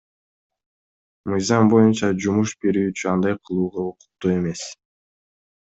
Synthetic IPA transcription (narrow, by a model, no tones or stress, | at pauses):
mɯjzɑmbo̞junt͡ʃɑd͡ʒumuʃbe̞ɾyːt͡ʃyɑnd̪ɑjqʰɯlˠuːʁɑoqʊ̥q̚t̪ːue̞me̞s